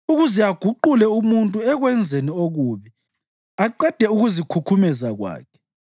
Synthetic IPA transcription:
uɣuzɛaɡ̥ʱuǃulɛumuntʼuɛɣwɛnd͡zʱenioɣuːβi | aǃɛd̥ʱɛuɣuzikʰukʰumɛzaɣwa̰ːkʰɛ̥

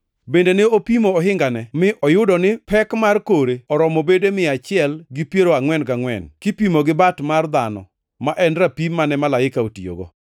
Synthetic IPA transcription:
bendeneopimoɔɦɪŋɡanɛmɪʔɔjʊdɔnɪpɛkmarkoɾeɔɾɔmobedemɪat͡ʃɪɛlɡɪpjeɾoaŋwɛnkaŋwɛ̰nkɪpimoɡɪbatmard̪anɔ̰ | maʔɛnɾapimːanɛmalaɪkaotio̰ɡo̰

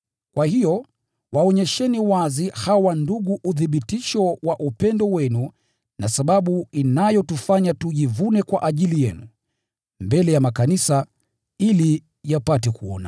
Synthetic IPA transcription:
kwahijɔ | waɔɲɛʃɛniwazihawanduɠuʔuðiɓitiʃɔwaʔupɛndɔwɛnu | nasaɓaɓuinajɔtufaɲatuʄivunɛkwaʔaʄilijɛnu | mbɛlɛjamakanisa | ili | japatɛkuɔ̰na

